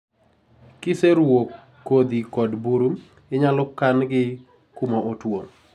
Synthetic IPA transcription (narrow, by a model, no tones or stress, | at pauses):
kɪseɾwokː | od̪ikɔdbuɾum | ɪɲalʊkːanɡɪ | kumaʔotwoŋ